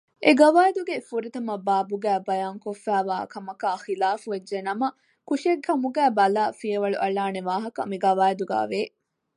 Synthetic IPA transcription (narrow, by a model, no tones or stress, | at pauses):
ʔeɡɐʋaːjed̪uɡefuɾit̪ɐmɐbaːbuɡæːbɐjaːŋkofːæːʋaːkɐmɐkaːxilaːfuʋed͡ʒd͡ʒenɐmɐ | kuʃiekʰːɐmuɡæːbɐlaːfijɐʋɐɭṵʔɐɭaːneʋaːɦɐkɐ̰miɡɐʋaːjed̪uɡæ̰ːʋeː